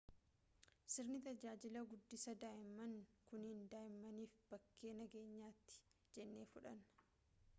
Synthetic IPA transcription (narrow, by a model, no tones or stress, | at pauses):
sɪɾnɪt̪ɐd͡ʒaːd͡ʒɪlɐɡʊd̪ːɪsɐd̪aːʔɪmːɐnkʊnhɪnd̪aːjɪmːɐniːfb̥ɐkːe̞ːnɐɡe̞ːɲːaːt̪ːɪ̥ | d͡ʒɛnːe̞ːfʊᶑɐn